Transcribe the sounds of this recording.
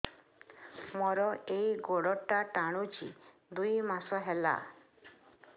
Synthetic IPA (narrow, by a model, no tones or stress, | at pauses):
mɔɾɔejɡoɽɔʈaʈaɽ̃ut͡ʃḭ | d̪ujmasɔɦela̰